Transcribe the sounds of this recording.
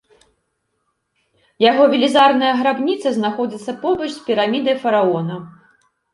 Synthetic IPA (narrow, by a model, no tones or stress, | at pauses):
jaɣɔvʲilʲizarnɐjɐɣɾabnʲit̪sɐznaxɔd͡zʲit̪sːɐpɔbɐt͡ʂspʲiɾamʲid̪ɨjfɐɾaɔnɐ